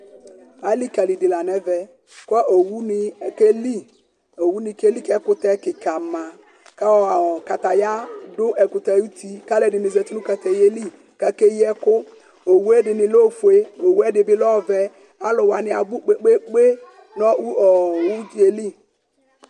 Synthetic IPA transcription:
a˨˦li˦ka˨li˨dɪ˨la˨nɛ˦vɛ˨ | kɔ˦ʔo˨wu˦nɪ˦ke˦li˦ | o˨wu˦nɪ˨ke˦li˦kɛ˦kʊ˦tɛ˦kɪ˨ka˨ma˨ | ka˦ɔ˨ka˨ta˨ja˦dʊ˦ʔɛ˨kʊ˨ta˨˦u˦ti˦ka˦lɛ˨dɪ˨ni˨zɛ˨tu˦nʊ˦ka˨tɛ˨je˦li˦ | ka˦ke˦jɛ˦kʊ˦ | o˨wu˦ɛ˦dɪ˨nɪ˨lo˦˨fu˨e˦o˨wu˦ɛ˦dɪ˨bɪ˦lɔ˦˨vɛ˨ | a˦lʊ˨wa˨nɪ˦a˨bu˦k͡pe˦k͡pe˦k͡pe˦ | nɔ˦u˦ɔ˨wu˦˨e˨li˦˨

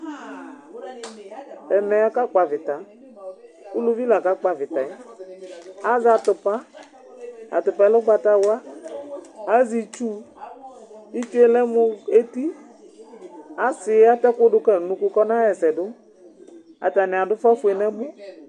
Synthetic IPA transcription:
ɛ˨mɛ˨a˨ka˦k͡pa˨vɪ˨t̪a˨ | u˦lu˦vi˦la˨ka˦k͡pa˨vɪ˨t̪a˨ɛ˦ | a˦za˨t̪ʊ˨pa˦ | a̰˨t̪ʊ˨pa˨ɛ˦lo˦ɡ͡ba˨t̪a˦wa˦ | a˦zi˨t͡ʃu˦ | i˦t͡ʃu˦e˨lɛ˦mu˦e˦t̪i˦ | a˨sɪ˨˦a˦t̪ɛ˦kʊ˦ɖʊ˦kɛ˨nũ˨ku˦kɔ˦nã˦jɛ˨sɛ˨dʊ˦ | a̰˨t̪a˨nɛ̃˨a˨dʊ˦fa˦fu˨ɛ˨nɛ̃˦mũ˦

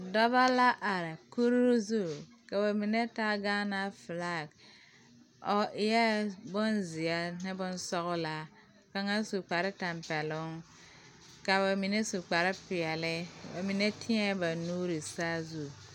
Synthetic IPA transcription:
dɔ˦ba˦la˦ʔa˨ɾɪ˨ku˦ɾzu˦˨ | ka˨ba˨mi˨ne˦ta˦ɡaː˦na˦fla˦˨k | ɔ˨ʔɪ˨jɛ˦bʊ˦nzɪ˨a˦nɪ˦bʊ˦nsɔ˦ɣʊ˦la˦ | ka˨ŋa˦su˨k͡pa˨ɾɪ˦ta˨mpɛ˨lʊ˦ŋ | ka˨ba˨mi˨ne˦su˨k͡pa˨ɾɪ˦pɪ˨ɛ˨lɪ˦ba˨mi˨ne˦tʰɪ˦ɛ˦ba˨nuː˦ɾi˨saː˦zu˦

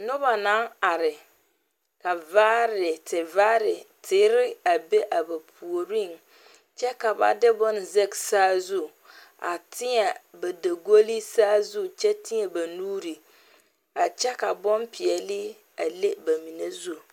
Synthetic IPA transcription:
nʊ˦ba˨na˦a˨ɾɪ˨ | ka˨vaː˦ɾɪ˨tʰɪ˨vaː˦ɾɪ˨tʰɪː˨˦ɾɪ˦a˨be˦ʔa˨ba˨pʰu˨o˨ɾi˦˨ŋ | t͡ʃɛ˦ka˨ba̰˨dɪ˦bɔ˦n˨ze˦ksaː˦zu˦ | a̰˨tʰɪ˦ɲɛ˨ba˨da˨ɡo˦li˦saː˦zu˦t͡ʃɛ˦tɪ˦ɲɛ˨ba˨nuː˦ɾi˨ | a˨t͡ʃɛ˦ka˨bɔ˦npʰɪ˨ɛ˨lɪ˦ | a˨le˦ba˨mi˨ne˦zu˦˨

